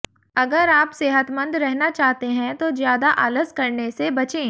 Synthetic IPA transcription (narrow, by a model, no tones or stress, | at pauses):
ɐɡəɾaːpseːɦət̪mə̃nd̪ɾɛɦnat͡ʃaːɦt̪eɦɛ̃t̪ozjaːd̪aʔələzkɐɾnesebɐt͡ʃẽː